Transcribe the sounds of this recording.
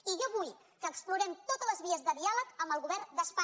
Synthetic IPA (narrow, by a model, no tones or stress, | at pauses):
iʒaβuj | kəkspluɾɛmt̪ot̪ələzβiəzðəðialəkəmbəlˠɣuβɛrd̪əspa